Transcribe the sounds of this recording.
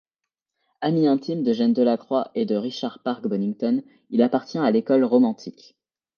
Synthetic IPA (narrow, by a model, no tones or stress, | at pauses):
amiɛ̃t̪imd̪əʒɛnd̪əlakχwaʔed̪əʁiʃaʁpaʁkbɔnĩŋt̪ɔn | ilapaʁt̪jɛ̃alekɔlʁɔmɑ̃t̪ʰik